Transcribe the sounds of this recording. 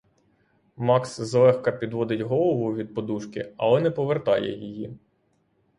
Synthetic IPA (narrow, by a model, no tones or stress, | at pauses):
mɑkszlˠɛxkɐpʲid̪ʋɔd̪ɪtʲɦɔlˠɔʋʊʋʲid̪̚pɔd̪uʃkɪ̰ɐ̰lˠɛnɛpɔʋert̪ɑjɛ̰jɪji